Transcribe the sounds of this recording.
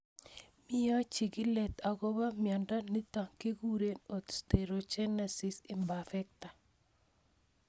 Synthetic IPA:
mɪ˦ja˦t͡ʃi˨ɡɪ˦lɛ˨t̪a˨ɡɔ˦βa˦mja˨nda˦ni˦t̪a˨ŋke˦ɡu˦ɾe˦no˨t̪st̪e˨ɾo˨t͡ʃɛ˦na˨si˦sɪ˨mba˨fɛ˦k̚t̪a˨

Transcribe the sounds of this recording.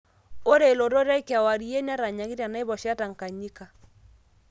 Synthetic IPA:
o˦ɾe˨e˨lo˨ɾo˦ɾa˦kja˨wa˨ɾi˨˦e˦n˦a˦ɾa˨ɲa˨ɣi˦ɾja˨na˦e˦βɔ˨ʃa˦ta˨ŋ̩˨ka˨ɲi˦ka˨

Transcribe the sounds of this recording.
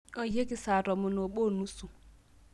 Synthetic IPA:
o˨je˦ki˦˨sa˨ɾɔ˨mʊ˨no˨ɓo˦˨nu˦su˨

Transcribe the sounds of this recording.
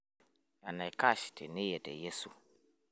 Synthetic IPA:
a˨na˨jka˦˨ʃte˨ni˦jɛ˨tɛ̰˨je˦su˨

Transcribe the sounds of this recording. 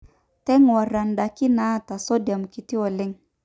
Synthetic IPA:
tɛ˦ŋwa˨ɾa˨nda˨ki˦na˦ta˨sɔ˦dja˨mki˨t̪i˦ɔ˨lɪ˦ŋ

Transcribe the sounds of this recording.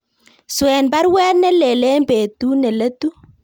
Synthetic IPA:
swɛ˨nba˦ɾwɛ˦lnɛ˦le˨le˦mbe˨tu˦ne˨lə˦tu˦

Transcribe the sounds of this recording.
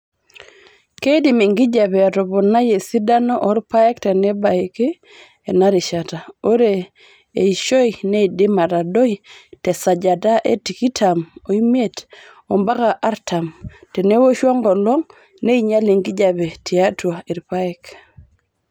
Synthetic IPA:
ke˦i˦di˨mi˨ŋɡi˦d͡ʒa˨bɛ˨a˨tɔ˨bɔ˨na˦je˨si˦da˦nɔ˦ʔɔ˦ɾpa˦ɛ˦ktɛ˨nɛ˦ba˨e˨keː˦˨ | na˦ɾi˨ʃa˨ta˨o˦ɾe˨ | e˨iʃo˦i˨ne˦i˨di˦ma˨ɾa˨do˦i˨tɛ˨sa˨d͡ʒa˨da˦ʔe˦ti˨ki˦tʰa˨mo˨i˦me˦t | o˨mba˦ka˨ʔa˦ɾtʰa˨mtɛ˨ne˦wo˦ʃɔ˦ŋɡɔ˨lɔ˦ŋ | ne˦i˦ɲa˦li˨ŋɡi˦d͡ʒa˨be˨ti˨a˦twa˨i˨ɾpa˦ɛk

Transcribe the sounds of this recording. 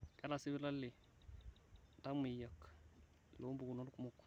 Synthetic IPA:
ka˦la˨si˦bi˦la˦lːi˨ | ta˦mi˨ja˨k | lo˨˦mbu˨ɡu˨no˦lku˦mu˦k

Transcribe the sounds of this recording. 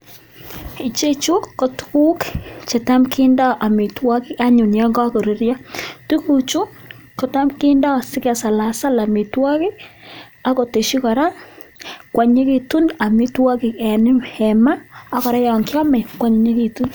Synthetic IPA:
i˨t͡ʃe˦t͡ʃu˦kːɔ˨tu̥˦ku˦kt͡ʃe˨ta˦mkʰi˦nda˦ʔa˨mi˨twɔ˦kɪ˦a˦ɲʊ˨njɛ˦ŋɡɔ˦ko˨ɾi˨ɾja˦tu˦ku˨t͡ʃu˦ | ko˨ta˦mkɪ˦nda˦˨sɪ˦kɛ˨sa˨la˨sa˦la˨mi˨twɔ˦kɪ˦ | a˦ko˨te˨ʃi˦kɔ˨ɾa˦ | kwa˨ɲe˦ki˨tu˦na˨mi˦twɔ˦kɪ˨ɛ˨nɪ˦hɛ˨maː˦kɔ˨ɾa˦jɔ˨ŋkjɔ˦mɛ˨kwa˨˦ɲu˨ɲe˦ki˨tu˦n

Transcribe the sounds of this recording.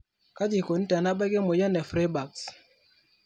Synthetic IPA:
ka˦d͡ʒi˨ko˨n̩˦ta˨na˦bɛ˦ɡe˦mo˨jɛ˦nɛ˨fɾe˦ba˨ks

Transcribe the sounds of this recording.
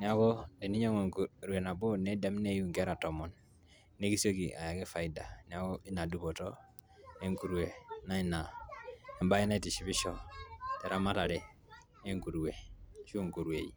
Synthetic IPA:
ni˨a˦ko˦de˨ni˦ɲo˦ŋo˨ŋku˨ɾu˨we˨na˨bo˦ne˦de˦mne˦ju˦ŋke˦ɾa˨to˨mɔ˨nː | e˦ki˦so˦ki˨a̰˨ja˨ke˦fa˨i˦da˨ni˨a˦ko˦i˦na˨du˨bo˨to˦ | e˦ŋku˨ɾwe˨na˦i˦na˨e˨mba˦i˦na˦i˦ti˨ʃi˨βi˦ʃo˦te˨ɾʔa˦ma˦ta˨ɾe˨ | e˦ŋku˨ɾu˨we˨ʃu˦ŋku˨ɾu˨e˨i˨

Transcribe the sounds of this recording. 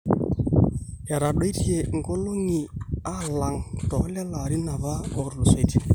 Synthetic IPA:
ɛ˨ɾa˨ɗɔ˦i˦ti˦e˨ŋ˦ɡo˦lo˦ŋi˨a˦la˨ŋtɔ˨˦lɛ˦la˨ɾi˦na˨βa˦ɔ˨ɾlʊ˨sa˨˦tʰi˦e˨

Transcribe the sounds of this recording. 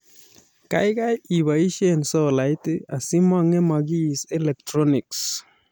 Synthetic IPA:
ka̰˨jka˦ji˨βa˨i˦ʃe˦nsɔ˦la˨jtɪ˦a˨si˦ma˨ŋɛ˦ma˨ɡi˦sɛ˦lɛ˨k̚tɾɔ˦nɪ˨ks

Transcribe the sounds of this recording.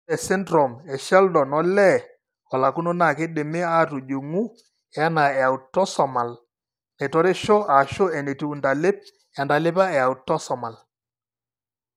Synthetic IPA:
ɛ˨sɪ˦ndɾɔ˨mɛ˨ʃɛ˦ldɔ˨nɔ˦lɛ˦˨ | ɔ˨la˨ku˦no˦na˨kɪ˦ɗɪ˨mɪ˦a˦˨tu˨d͡ʒu˨ŋu˦ | ɛ˨˦a˦na˨ɛ˨a˨u˨tːɔ˦sɔ˨ma˨l | ne˨tɔ˦ɾɪ˦ʃɔ˦ʔa˨ʃo˦ɛ˨ne˨tu˦u˨nda˨lɪ˦p̚ | a˨nda˨lɪ˦pa˦ɛ˨a˨u˨tːɔ˦sɔ˨ma˨l

